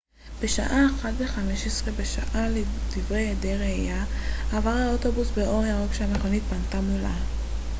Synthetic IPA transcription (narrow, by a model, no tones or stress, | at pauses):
b̥e̞ʃa̰ʔaeχatve̞χame̞ʃesʁe̞beʃaʔaled̪̥ivʁejedeʁejaːvaʁhaoto̞busbeʔo̞ʁiaʁeɡʃaameχo̞nit̚pantamula̰